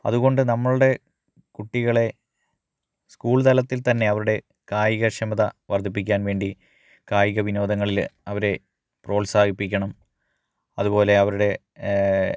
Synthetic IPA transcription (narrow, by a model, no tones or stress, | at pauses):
ɐ̰ðuɣo̞ɳɖɨnɐmːɐɭuɽe̞ | kuʈːiɣɐɭe̞ | skuːɭt̪ɐlɐt̪ːilt̪ɐnːe̞ɐʋɐɾuɽe̞ | kaːjiɣɐɕɐmɐðɐʋɐrd̪ʱip̬ːikʲːaːnʋe̞ːɳɖi | kaːjiɣɐʋino̞ːd̪ɐŋːɐɭilɐʋɐɾe̞ | pro̞ːlsaːɡʱipːikʲːɐɳɐm | ɐðubo̞ːle̞ɐʋɐɾuɽe̞